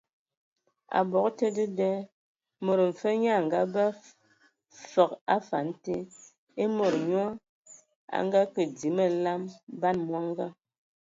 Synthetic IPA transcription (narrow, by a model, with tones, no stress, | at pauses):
a̰˨bɔ˨kte˦də˦dɛ˦ | mo˨ɾm̩˨fə˦ɲa˦˨ŋ˨ɡa˦ba˦ | fə˨ka˦fa˨n̩˦te˦ | e˦mo˨ɾɲɔ˦ | a̰˦ŋɡa˦kə˨di˨˦mə˦la˦mba˦nmwa˦ŋ˦ɡa˦